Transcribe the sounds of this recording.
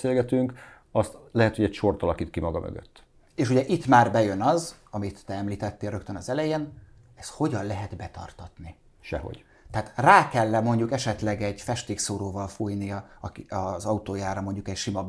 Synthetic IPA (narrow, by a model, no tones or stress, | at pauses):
seːlɡɛt̪yŋk | ɒst̪lɛɦɛt̪hoɟɛcʃort̪ɒlɒkit̪kimɒɡɒmø̰ɡø̰t̪ː | eːʃuɟɛʔit̪ːmaːrbɛjø̞nɒzɒmit̪ːɛɛmliːt̪ɛt̪ːeːlrøkt̪ønɒzɛlɛjeːn | ɛst̪ho̞ɟɒnlɛɦɛd̪bɛt̪ɒ̰rt̪ɒt̪ni | ʃɛ̰ho̰ɟ | t̪ɛaːt̪raːkɛlːɛmo̞ɲɟukɛʃɛt̪lɛɡɛɟfɛʃt̪eːksoːɾoːvɒlfujnijɒɒkiɒzɒut̪oːjaːɾɒmo̞ɲɟukɛcʃimɒ